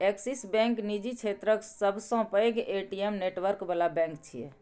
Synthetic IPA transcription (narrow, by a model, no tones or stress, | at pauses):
eksisbɛ̃ŋknid͡ʒit͡ʃʰet̪ɾəksəbʱsə̃pəjɡeʈiemneʈwəɾkbəlabɛ̃ŋk̚t͡ʃʰiɛ̰